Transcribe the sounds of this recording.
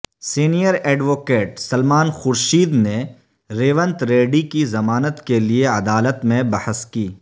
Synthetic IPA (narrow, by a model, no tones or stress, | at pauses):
siːnijəɾɛːɖʋoːkeːʈsɐlmaːnxʊɾʃiːd̪ne | ɾeːʋə̃nt̪ɾeːɖikizɐmaːnət̪kelieɐd̪aːlət̪mẽbɐhəskiː